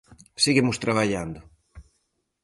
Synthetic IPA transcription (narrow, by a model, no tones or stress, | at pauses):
siɣimʊst̪ɾaβaʎand̪ʊ